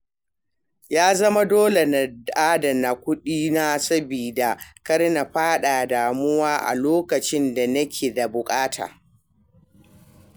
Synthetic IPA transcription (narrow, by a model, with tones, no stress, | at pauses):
jaː˦zɐ˦ma˦doː˦le˨na˨dʔaː˦dɐ˨na˨kʷʊ˦ɗiː˦na˦sɐ˦biː˨da˨kɐ˦ɽna˨ɸaː˦ɗaː˨daː˨mʊ˦waː˦ʔa̰˨loː˦kɐ˨t͡ʃɪ˦nda˨nɐ˦kʲʰeː˨da˨bʊ˨kʼaː˦tʰa̰ː˨